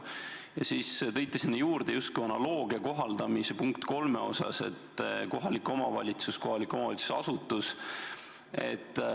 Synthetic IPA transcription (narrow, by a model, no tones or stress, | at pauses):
jɑsiːst̪ɤ̞jt̪ːˑisinːejuːrd̪̥ejust̪̚kujɑnɑlo̞ːɡ̥iɑko̞ɦɑld̪̥ɑmisepuŋkt̪ko̞lme̞o̞̰sɑ̰se̞̰t̪ko̞ɦɑliko̞mɑvɑ̰lʲit̪susko̞ɦɑlikːˑo̞mɑvɑ̰litsu̥sɑ̰sut̪ːˑus | e̞̰t̪ːˑ